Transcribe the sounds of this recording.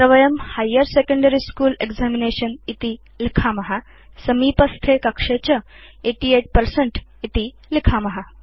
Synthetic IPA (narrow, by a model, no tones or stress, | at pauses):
ɾɐʋɐjɐmhajːəɾsekə̃ɳɖəɾiskuːleɡzamineɕɐnit̪i | likʰamɐɦa | sɐmiːpɐst̪ʰekɐkʂet͡ɕɐ | eʈiːeʈ̚pɐɾseɳʈit̪i | likʰamɐɦa